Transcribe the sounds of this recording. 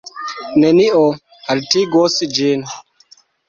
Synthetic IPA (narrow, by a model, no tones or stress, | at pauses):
nɛniʔɔ | aɾtiɡɔsid͡ʒiːn